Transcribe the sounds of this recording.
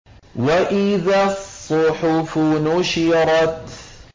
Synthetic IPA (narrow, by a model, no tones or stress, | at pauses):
waʔɪðasˤːʊħʊfʊnʊʃiɾˤɑt̪